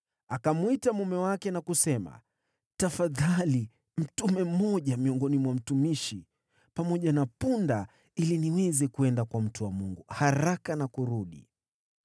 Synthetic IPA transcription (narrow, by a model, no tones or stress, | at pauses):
akamwitamumɛwakɛnakusɛma̰ | tafaðali | m̩tumɛm̩ɔʄamiɔŋɡɔnimwam̩tumiʃi | pamɔʄanapunda | iliniwɛzɛkuɛndakwam̩tuwamuŋɡuhaɾakanakuɾuɗḭ